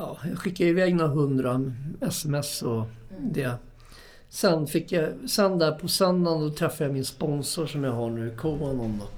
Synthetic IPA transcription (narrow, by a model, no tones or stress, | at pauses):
jɑːjɑɧɪkːaɪvɛːɡnaɦɵnd̪ɾaɛsɛmɛsɔd̪ɛː | sɛnːfɪkːjasɛnd̪æːɾpʰɔsɛnd̪andɔt̪ʰɾɛfːajamɪnspɔnsʊʂɔmjaɦaɳʉ̟ːɪkʰuːanɔnd̪ɔ